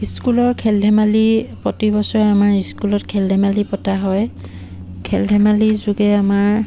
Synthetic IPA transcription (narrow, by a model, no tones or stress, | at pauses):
iskulɔɹkʰɛldʱɛmalipɔtibɔsɔɹɛamaɹiskulɔtkʰɛldʱɛmalipɔtaɦɔj | kʰɛldʱɛmalizuɡɛamaɹ